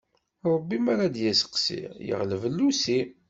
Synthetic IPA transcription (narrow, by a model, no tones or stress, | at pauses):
ɾˤəbːimaɾad̪jæsə̥qsḭjə̰ʁləvəlːusi